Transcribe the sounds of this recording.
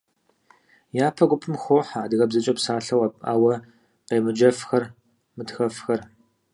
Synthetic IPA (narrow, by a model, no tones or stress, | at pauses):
jaːpʰɐɡʷʊpʰɨmxʷoːħaːdɨɣɐbzɨt͡ʃʼɐpsaːɬɐwa̰ːwɐ | qeːmɨd͡ʒɐfxɐr | mɨtxɐfxɐr